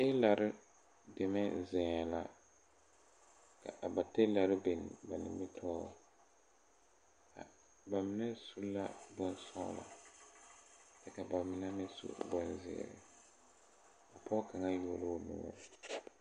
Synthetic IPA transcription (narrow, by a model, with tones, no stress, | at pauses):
e˦la˨ɾɪ˦ | de˨mɛ˦zɛ̃˨la˨ | ka̰˨ʔa˨ba˨te˦la˨ɾɪ˦be˨n˨ba˨nɪ̰˨mɪ˦tʰɔː˦˨ | ka̰˨ | ba˨mɪ˦nɛ˦su˦la̰˦bʊ˦n˦sɔ̰˦˨la̰˨ | dɛ˨ka˨ba˨mɪ˨nɛ˦mɪ˦sṵ˦bɔ˨nzɪ̰˨ɾɪ̰˨ | a˨pɔ˦ka˨ŋa˦jo˨lo˦˨nʊ̰˨ŋɛ̰˦